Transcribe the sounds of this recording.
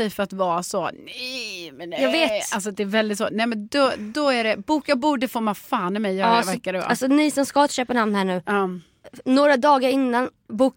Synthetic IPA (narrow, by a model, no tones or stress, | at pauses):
ɛjfœɾat̪vɑːsɔnɛjmɛnjɑːɡveːt̪alsɔd̪ɛːɾvɛld̪ɪt̪soːnɛmɛnd̪ɔd̪ɔæɖɛbuːkjaːbuːɖəfoːmafaːnɛmɛjjœːvɛkːaɾɛva̰asɔnɪsɔnskɑːt̪ɕøːpəɳamnhæːɳʉ̟ːɑː | noːɾad̪ɑːɡaɾɪnːan | buːk